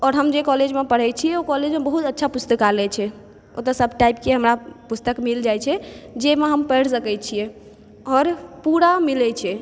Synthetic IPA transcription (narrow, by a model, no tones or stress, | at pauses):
ɔɾɦəmd͡ʒekɔled͡ʒmepəɽ̤ɛt͡ʃʰiɛokɔled͡ʒmebəɦut̪ətːʃʰapust̪əkalɛt͡ʃʰɛ | o̰t̪əsəbʱʈajp̚keɦəmɾapust̪əkmild͡ʒajt͡ʃʰɛd͡ʒemeɦəmpɛɽsəkɛt͡ʃʰijɛ | ɔːɾpuɾamilɛt͡ʃʰɛ